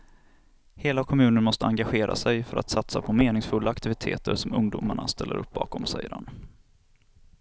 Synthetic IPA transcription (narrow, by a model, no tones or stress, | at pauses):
heːlakʰɔmʉ̟ːnəɳmɔst̪əaŋɡaɧeːɾʔa̰sɛjfœɾʔa̰t̪sat̪sapʰɔmeːnɪŋsfɵlːaːkt̪ɪvɪt̪ʰḛːt̪əɾsɔmɵŋd̪uːmaɳa̰st̪ɛlːə̰ɾɵp̚ːbɑ̰ːkɔmsɛjəɾha̰n